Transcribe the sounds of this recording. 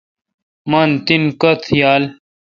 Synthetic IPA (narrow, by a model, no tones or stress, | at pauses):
mant̪inkɐt̪ʰjaːl